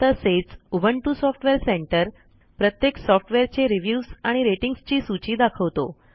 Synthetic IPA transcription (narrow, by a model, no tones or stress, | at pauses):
əset͡subʱəɳʈusɔfʈʋeɾseɳʈəɾ | pɾət̪jeksɔfʈʋeɾt͡ɕeɾiʋjusaɽ̃iɾeʈiŋɡst͡ɕiːsut͡ɕiːd̪akʰəʋt̪o̰